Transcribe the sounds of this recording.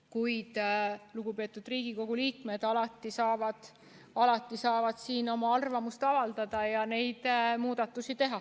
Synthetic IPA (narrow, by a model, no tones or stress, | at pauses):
kujd̪̥luɡ̥upe̞ːt̪ːˑud̪̥riːɡ̥iko̞ɡ̥uliːkme̞d̪̥ɑlɑt̪ːˑisɑːvɑd̪̥ | ɑlɑt̪ːˑisɑːvɑd̪̥siːno̞mɑɑrvɑmust̪ɑvɑld̪̥ɑd̪̥ɑjɑne̞jd̪̥muːd̪̥ɑt̪ːˑusit̪e̞ɦɑ